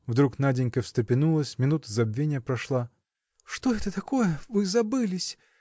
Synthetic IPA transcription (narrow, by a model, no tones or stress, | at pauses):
vd̪ɾuknadʲɪnʲkəfst̪ɾɪpʲɪnulˠəsʲmʲɪnut̪əzɐbvʲenʲɪjəpɾɐʂlˠa | ʂt̪oɛt̪ət̪ɐko̞jəvɨzɐbɨlʲɪsʲ